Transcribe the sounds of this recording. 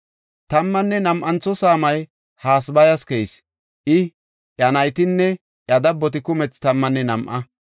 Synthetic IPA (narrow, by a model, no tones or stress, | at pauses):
t̪ɐmːɐnːɛnɐmʔɐnt͡sːɔsaːmɐj | haːsbɐjɐskɛjs | ʔɪ | ʔjɐnɐjt̪ɪnːɛ | ʔjɐd̪ɐbːɔt̪ɪkʊmɛt͡st̪ɐmːɐnːɛnɐmʔɐ